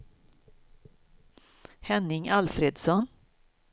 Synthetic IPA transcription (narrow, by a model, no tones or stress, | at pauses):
hɛnːɪŋalfɾeːd̪sɔn